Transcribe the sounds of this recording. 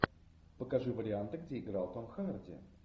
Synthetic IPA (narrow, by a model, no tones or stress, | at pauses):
pəkɐʐɨvəɾʲɪant̪ɨɡdʲeɪɡɾalˠt̪omxəmʲərdʲɪ̰